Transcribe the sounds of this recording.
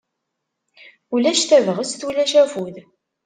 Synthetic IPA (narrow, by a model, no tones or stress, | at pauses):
ulæʃθævəʁəst̪wilæʃæfuð